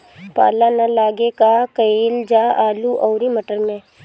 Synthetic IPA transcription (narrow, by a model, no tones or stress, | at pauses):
pa̰ːlanɐlaːɡekakɐeːld͡ʒaːʔaːluʔɔːɾimɐʈəɾmẽ